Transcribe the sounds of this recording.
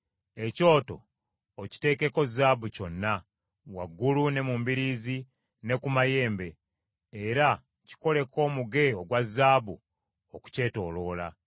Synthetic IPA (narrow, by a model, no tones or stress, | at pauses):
e̞co̞ːto̞̰ː | ci̥te̞ke̞ko̞zaːbuco̞nːa | waɡːulune̞mumbiɾiːzi | ne̞kumaje̞ːmbe̞ː | ɾa | ci̥ko̞le̞ko̞ːmuɡe̞oɡwazːaːbṵ | oku̥ce̞ːto̞̰ːlo̞ːla̰